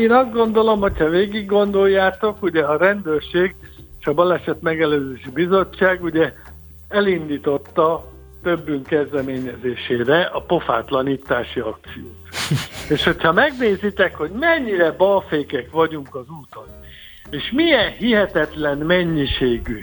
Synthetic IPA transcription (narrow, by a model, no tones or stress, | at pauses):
eːnɒzd̪ɡo̞nd̪o̞lo̞mho̞chɒveːɡiɡːo̞nd̪o̞jːaːt̪o̞kuɟɛɒɾɛnd̪øːrʃeːɡ | eeːʃɒbɒlɛʃɛt̪mɛɡɛløːzeːʃibizo̞t͡ʃːaːɡuɟɛ | ɛlind̪iːt̪o̞t̪ːɒ | t̪øbːyŋkːɛzd̪ɛmeːɲɛzeːʃeːɾɛʔɒpo̞fa̰ːt̪lɒniːt̪ːaːʃiɒk̚t̪sijoːt̪eːʃho̞chɒmɛɡneːzit̪ɛkho̞ɟmɛɲːiɾɛbɒlfeːkɛkʋɒɟuŋkɒzuːt̪on | eːʃmiɛnhiɦɛt̪ɛt̪lɛnmɛɲːiʃeːɡy